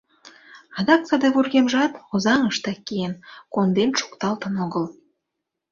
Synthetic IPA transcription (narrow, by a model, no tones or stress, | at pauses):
ɑd̪ɑk̚t͡sɑd̪eβurɣemʒɑt̪ozɑŋəʃt̪ɑkːijenkond̪enʃu̥kt̪ɑlt̪ənoɣəl